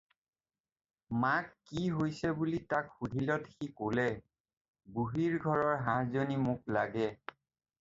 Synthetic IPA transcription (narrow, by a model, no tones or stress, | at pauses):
makːiɦojsɛbulitakxudʱilɔtxikolɛ | buɦiɹɡʱɔɹɔɹɦãɹzonimuklaɡɛ